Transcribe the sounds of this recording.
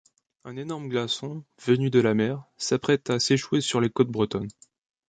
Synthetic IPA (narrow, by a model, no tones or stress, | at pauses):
ɛ̃nenɔʁmɡlasɔ̃vənyd̪əlamɛʁsapχɛt̪aseʃwesyʁlekɔt̪̚bʁət̪ɔn